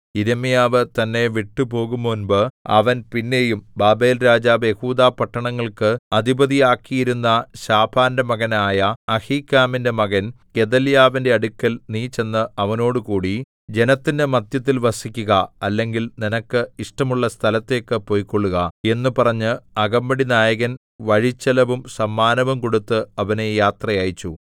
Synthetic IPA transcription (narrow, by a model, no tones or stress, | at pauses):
iɾɐmijaːʋɨt̪ɐnːe̞ʋiʈːupo̞ːɣumːonbɨɐ̰ʋɐnpinːe̞jumbaːbe̞ːlɾaːd͡ʑaːʋje̞huːd̪aːpɐʈːɐɳɐŋːɐɭkɨɐd̪ʱibɐðijaːkːijiɾunːɐɕaːbʰaːndemɐɣɐnaːjɐɐhiːkːaːminde̞mɐɣɐnke̞d̪ɐljaːʋinde̞ɐɽukʲːɐlniːt͡ɕe̞nːɨʔɐʋɐno̞ːɽɨkuːɽi | d͡ʑe̞nɐt̪ːinde̞mɐd̪jɐt̪̬ːilʋɐsikʲːuɣɐɐlːe̞ŋɡilninɐkːɨiʂʈɐmuɭːɐst̪ʰɐlɐt̪ːe̞ːkːɨpo̞ːjkːoɭːuɣɐe̞nːupɐrɐɲːɨɐɡɐmbɐɽinaːjɐɣɐn | ʋɐɻit͡ɕːɐlɐʋumsɐmːaːnɐʋɐmko̞ɽut̪ːɨɐʋɐne̞jaːt̪rɐjaːjit͡ɕːu